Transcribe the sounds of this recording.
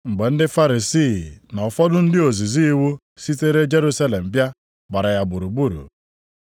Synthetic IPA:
ŋ͡m̩˨ɡ͡be˨n̩˦dɪ˦fa˦ɾi˨si˦˨na˨ɔ˨fɔ˦dʊ˦n̩˦dɪ˦o˨zi˨zi˦i˦wu˦ | si˦te˦ɾe˦d͡ʒe˦ɾu˦sa˦le˨m̩˨bja˦ | ɡ͡ba˨ɾa˨ja˨bʊ˨ɾu˨ɡ͡bu˦ɾṵ˨

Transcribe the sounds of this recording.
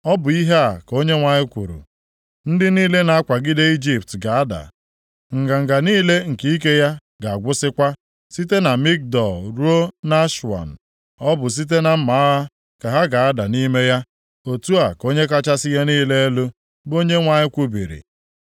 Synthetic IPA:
ɔ˦bʊ˨i˦ɦe˦a˨ko˦ɲe˦ŋʷa˨ɲɪ˦kʷṵ˨ɾṵ˨ | n̩˦dɪ˦niː˦le˦na˨a˦kʷa˨ɡɪ˦de˦i˦d͡ʒi˨p̚tɡa˨a˦da̰˨ | ŋ̩˨ɡa˨ŋ̩˨ɡa˨niː˦le˦ŋ̩˨ki˦i˦k̬e˦ja˦ | ɡa˨a˨ɡʷʊ˦sɪ˦kʷa˦ | si˦te˦na˨mi˦k̚dɔ˨lɾu˦o˦na˦ʃu˨a̰˨n̩˨ | ɔ˦bʊ˨s̬i˦t̬e˦na˨m̩˦ma˨˦ɦa˦ | ka˨ɦa˦ɡa˨a˦da˨ni˦me˦ja˦ | o˨tu˦a˨ko˦ɲe˦k̬a˦t͡ʃa˦sɪ˦ja˦niː˦le˦e˦lu˦ | bo˦ɲe˦ŋʷa˨ɲɪ˦kʷu˦bḭ˨ɾḭ˨

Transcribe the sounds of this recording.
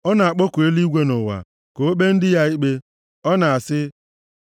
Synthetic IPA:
ɔ˦na˨a˨k͡po˦ku˨e˦li˦ɡʷe˦nʊ˨wa̰˨ | ko˨o˦be˦n̩˦dɪ˦ja˦i˦k͡pe˦ | ɔ˦na˨a˨sɪ˦

